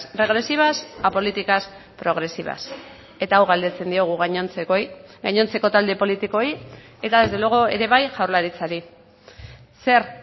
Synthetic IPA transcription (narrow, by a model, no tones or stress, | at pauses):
re̞ɣɾe̞siβ̞asapo̞lit̪ikaspɾo̞ɣ̞ɾe̞siβ̞a̰s | e̞t̪aːwɣald̪e̞t͡se̞nd̪io̞ɣ̞uɣaɲont͡sekojɡaɲo̞nt͡se̞ko̞t̪ald̪e̞po̞lit̪iko̞j | e̞t̪aðe̞zd̪e̞lo̞ɣoe̞̰ɾe̞βajʝawɾlaɾit͡saɾi | se̞ɾ